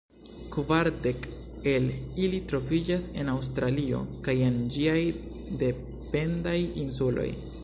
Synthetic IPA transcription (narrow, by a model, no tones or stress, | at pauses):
kvaɾde̞ke̞lilitɾo̞vid͡ʒase̞naws̬tɾalio̞̰kaje̞nd͡ʒiaj | de̞ | pe̞ndajinsulo̞̰j